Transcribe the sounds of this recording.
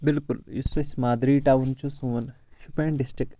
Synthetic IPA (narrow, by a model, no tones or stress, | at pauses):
bɪlkʊljḭsʋɐsmaːd̪ɾiʈaːwnt͡ʃusuːən | ʃupẽːɳɖɪsʈɾɪk